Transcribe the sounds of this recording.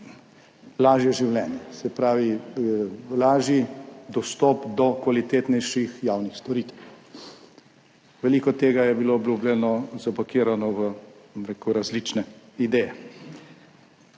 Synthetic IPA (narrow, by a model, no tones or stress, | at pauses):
laːʒjɛʒiwlɛːnjɛsɛpɾaːʋi | laːʒid̪ɔst̪ɔːpd̪ɔkʋalit̪eːt̪nɛjʃixjaːwnixst̪ɔɾiːt̪ɛw | ʋɛliːkɔt̪eːɡajɛbiloːblʲublʲɛnɔzabɔkiːɾanɔʋəbɔmɾekuɾazlit͡ʃnɛ | id̪ɛːjɛ